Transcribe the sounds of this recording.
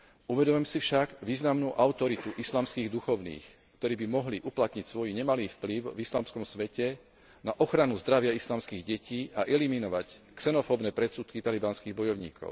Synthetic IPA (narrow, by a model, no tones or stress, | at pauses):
uʋɛd̪ɔmɛmsifʃaɡʋiːznamnuːʔaʊt̪ɔɾit̪uʔislaːmskiːɣd̪uxɔʊnḭːx | kt̪ɔɾiːbimɔɦliʔuplat̪ɲicsʋɔjɲɛmaliːfpliʊvislaːmskɔmsʋɛcɛ | naʔɔxɾanuzd̪ɾaʋɪaislaːmskiːɣɟɛciːʔaʔɛliminɔʋacksɛnɔfɔːbnɛːpɾɛsuːt̪kit̪alibanskiːɣbɔjɔʊɲḭːkʰɔ̰ʊ